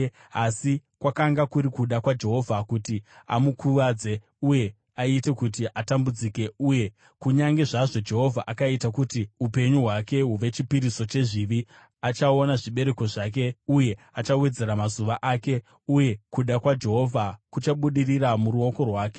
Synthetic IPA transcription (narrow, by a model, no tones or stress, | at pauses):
asikwakaŋɡakuɾikuɗakwad͡ʒe̞ɦo̞vʱakutia̰mukʰuʋad͡ze̞ | uje̞ | aite̞kut̬iʔatambud͡zike̞uje̞ | kuɲaŋɡe̞ʐaʐo̞d͡ʒe̞ɦo̞vʱaʔakaitakutiupe̞ɲuɦwake̞ɦuʋe̞t͡ʃipiɾiso̞t͡ʃe̞ʐiʋi | at͡ʃao̞naʐiɓe̞ɾe̞ko̞ʐak̬e̞uje̞ | at͡ʃawe̞d͡ze̞ɾamazuʋaʔaːke̞ | uje̞kuɗakwad͡ʒe̞ɦo̞vʱakut͡ʃaɓuɗiriramuɾuo̞ko̞rwaːke